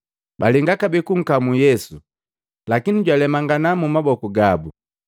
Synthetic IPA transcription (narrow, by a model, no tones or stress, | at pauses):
baliŋɡakabikuŋ̩kamujɛsu | lakiniɟwalɛmaŋɡanamumabɔkuɡabu